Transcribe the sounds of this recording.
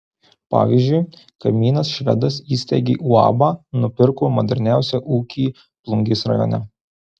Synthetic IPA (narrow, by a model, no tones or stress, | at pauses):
pɑ̰ːʋʲiːzʲd͡ʒʲʊɪ | kɐmʲiːnɐsʃʲʋʲɛ̰d̪ɐsiːsʲt̪ʲɛɡʲḛːʔuːɑ̰ːbɑːnʊpʲɪɾkuːmod̪ʲɛɾʲnʲæˑʊsʲɛʔuːkʲiː | plˠʊŋʲɡʲesɾɐ̰jo̰ːnʲɛ